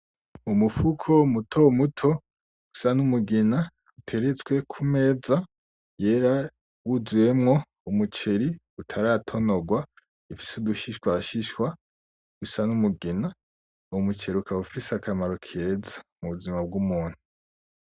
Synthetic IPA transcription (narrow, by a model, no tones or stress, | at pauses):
umufukʰo̞mutʰomutʰo̞ | ɡ̥u̥sanumuɡina | utʰe̞ɾet͡sɡwe̞kʰume̞ːza | je̞ːɾa | wuzuje̞mŋo̞ | umut͡ʃe̞ɾi | utʰaɾatʰo̞noɡwa | ifi̥suduʃiʃkwaʃiʃkwa | ɡusanumuɡina | omut͡ʃe̞ɾukʰaufiseakʰamaɾo̞kʰe̞zamuβuzimab̚ɡumuːn̥hu